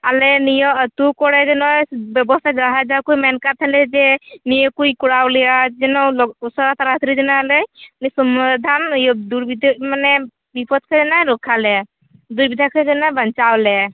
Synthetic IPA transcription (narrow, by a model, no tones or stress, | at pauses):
alɛnijɔət̪ukɔɽɛd͡ʒɔnɔjbɔbɔst̪ʰajzaɦad͡ʒawkujmɛnkat̪ʰanlɛd͡ʒɛnijɔkujkuɽawlɛad͡ʒɛnɔlɔsɔɾat̪aɾat̪ʰɾid͡ʒɔnaalɛnisɔmd̪ʱanjɔd̪uɾbid̪manɛ | bipɔt̪̚kʰed͡ʒɔnɔjɾɔkʰalɛ | d̪ujbid̪ʱakʰɛd͡ʒɔnɔjbənt͡ʃawlɛ